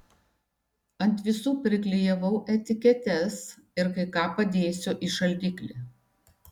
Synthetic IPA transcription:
ɐnt̪ʲʋʲɪsuːpʲɾʲɪklʲɪjɛʋɐʊʔɛt̪ʲɪkʲɛt̪ʲɛs | ɪɾkɐɪkɑːpɐd̪ʲeːsʲoːʔiʃɐlʲd̪ʲɪːklʲi

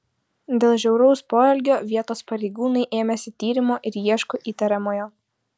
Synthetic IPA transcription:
d̪ʲeːlˠʒʲɛʊɾɔʊspoːɛlʲɡʲoːʋʲiɛt̪oːspɐɾʲɛɪɡuːnɐɪʔeːmʲɛsʲɪt̪ʲiːɾʲɪmoːʔɪɾjiɛʃkʊʔiːt̪ɐɾʲɛmoːjoː

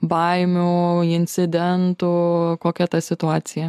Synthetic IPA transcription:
bɐɪmʲuɪnʲt̪sʲɪd̪ʲɛnt̪ʊkoːkʲɛt̪ɐsʲɪt̪ʊɑːt̪sʲɪjɛ

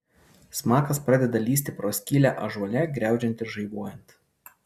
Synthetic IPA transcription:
smɑːkɐspɾɑd̪ʲɛd̪ɐlʲiːsʲt̪ʲɪpɾoːsʲkʲiːlʲæʔɐʒɔlʲɛɡɾʲæˑʊd͡ʒʲɛnʲt̪ʲɪɾʒɐɪboɔjɛnʲt̪

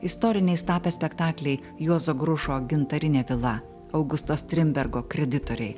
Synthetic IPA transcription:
ɪst̪ɔːɾʲɪnʲɛɪst̪ɑːpʲɛsʲpʲɛkt̪ɑːklʲɛɪ | juɔzoːɡɾʊʃoːɡʲɪnt̪ɐɾʲɪnʲeːʋʲɪlˠɐ | ɐʊɡʊst̪oːst̪ʲɾʲɪmʲbʲɛɾɡoːkɾʲɛd̪ʲɪt̪oːɾʲɛɪ

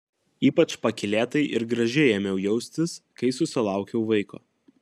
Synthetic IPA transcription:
iːpɐt͡ʃpɐkʲɪlʲeːt̪ɐɪʔɪɾɡɾɐʒʲɪjɛːmʲjɛʊjɛʊsʲt̪ʲɪskɐɪsʊsʲɪlˠɑˑʊkʲɛʊʋɐɪko̰ː

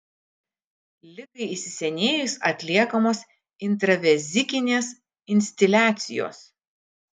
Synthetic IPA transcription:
lʲɪkɐɪisʲɪsʲɛnʲeːjʊsɐt̪ʲlʲiɛkɐmoːs | ɪnt̪ɾɐʋʲɛzʲɪkʲɪnʲeːs | ɪnʲsʲt̪ʲɪlʲæːt̪sʲɪjo̰ːs

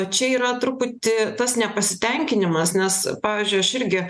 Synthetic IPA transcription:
t͡ʃʲɛiːɾɐt̪ɾʊput̪ʲɪt̪ɐsnʲɛpɐsʲɪt̪ʲɛŋʲkʲɪnʲɪmɐsnʲɛspɑːʋʲiːzʲd͡ʒʲʊɪɐʃɪɾʲɡʲɪ

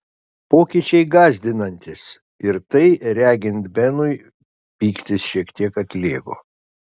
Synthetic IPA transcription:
poːkʲiːt͡ʃʲɛɪɡɑːzʲd̪ʲɪnɐnʲt̪ʲɪs | ɪɾt̪ɐɪɾʲæːɡʲɪnt̪bʲɛnʊɪ | pʲiːkt̪ʲɪsʃʲiɛkt̪ʲiɛkɐt̪ʲlʲeːɡo̰ː

